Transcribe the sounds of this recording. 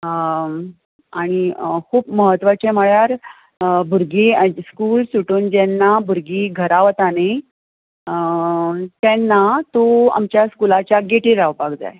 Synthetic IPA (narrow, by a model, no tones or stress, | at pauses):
aɽ̃ikʰuːpməɦət̪ʋət͡ɕɛməɭjaɾ | bʱuɾɡiskuːlsuʈuːnd͡ʑɛnːabʱuɾɡiːɡʱəɾaʋt̪ane | t̪jɛnːat̪oa̰mt͡ɕjaskulat͡ɕjaɡeʈiɾaʋpaɡd͡za̰j